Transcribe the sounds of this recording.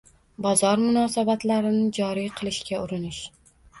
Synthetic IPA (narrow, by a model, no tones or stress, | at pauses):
bɒzɒɾmʊnɒsabat̪laɾɪnɪd͡ʒɒɾijqʰɨlˠɪʃkʲaʊɾɪnɪʃ